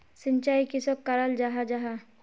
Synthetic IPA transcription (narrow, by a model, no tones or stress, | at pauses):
sɪɲt͡ʃaːikɪsokːɐɾald͡ʒaɦad͡ʒaɦa